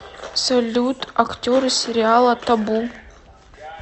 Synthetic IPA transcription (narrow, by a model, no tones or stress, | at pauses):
solʲut̪ʰaktʲoɾɨsʲeɾʲialˠat̪ʰabu